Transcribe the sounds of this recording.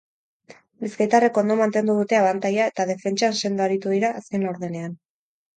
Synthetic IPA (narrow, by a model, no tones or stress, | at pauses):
biskajt̪are̞ko̞nd̪o̞mant̪e̞nd̪uðut̪e̞aβant̪ajae̞t̪að̞e̞fe̞nt͡ʃanse̞nd̪oaɾit̪uðiɾaʔːske̞nlawɾðene̞an